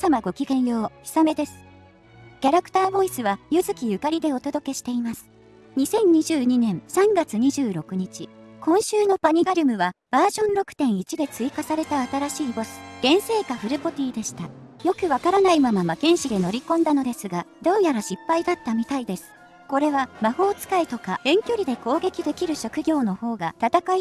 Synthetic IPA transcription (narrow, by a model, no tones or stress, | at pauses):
samaɡo̞kʲiɡẽ̞ɰ̃jo̞ːçi̥same̞d̪e̞sɨ̥ | kʲaɾakɯ̟̥t̪aːbo̞isɨβajɯ̟zɨkʲijɯ̟kaɾʲid̪e̞o̞t̪o̞d̪o̞ke̞ɕi̥t̪e̞imasɨ̥ | ɲ̟isẽ̞ɲ̟ɲiʑɨːɲ̟inẽ̞ɰ̃sãŋɡat͡sɨɲ̟iʑɨːɾo̞kɯ̟ɲ̟it͡ɕikʰõ̞ɰ̃ɕɨːno̞paɲ̟iɡaɾʲɯmɯ̟βab̥aːʑõ̞nɾo̞kɯ̟̥t̪ẽ̞ɰ̃it͡ɕid̪e̞t͡sɨikasaɾe̞t̪aːt̪aɾaɕiːbo̞sɨ̥ɡ̥ẽ̞ɰ̃se̞ːkaɸɯ̟ɾɯ̟po̞t̪ʲiːd̪e̞ɕi̥t̪ajo̞kɯ̟βakaɾanaimamamakẽ̞ɕid̪e̞no̞ɾʲikõ̞nd̪ano̞d̪e̞sɨɡad̪o̞ːjaɾaɕipːaid̪at̪ːamʲit̪aid̪e̞sɨ̥ | ko̞ɾe̞βamaho̞ːt͡sɨ̥kait̪o̞kaẽ̞ŋkʲo̞ɾʲid̪e̞ko̞ːɡe̞kʲid̪e̞kʲiɾɯ̟ɕo̞kɯ̟ɡʲo̞ːno̞ho̞ːɡat̪at̪akai